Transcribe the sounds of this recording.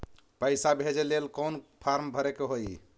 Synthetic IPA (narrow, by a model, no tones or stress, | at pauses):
pəɪsabʱed͡ʒelelkɔnpʰaɾmbʱəɾekeɦoj